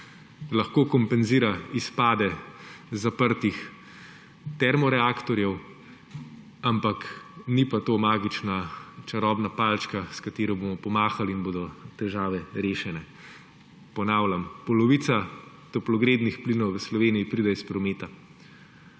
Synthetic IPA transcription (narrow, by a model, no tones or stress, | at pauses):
laxkoːkɔmpɛnziːɾaispaːd̪ɛzapəɾt̪ix | t̪ɛɾmɔɾɛaːkt̪ɔɾjɛw | ampaknipat̪oːmaːɡit͡ʃnat͡ʃaɾɔbnapalt͡ʃkaskat̪eːɾɔboːmɔpɔmaːxalinboːd̪ɔt̪ɛʒaːʋɛɾeːʃɛnɛ | pɔnaːwlʲampɔlɔʋit̪sa | t̪ɔplɔɡɾeːd̪nixplinɔwʋəslɔʋeːnijipɾiːd̪ɛispɾɔmeːt̪a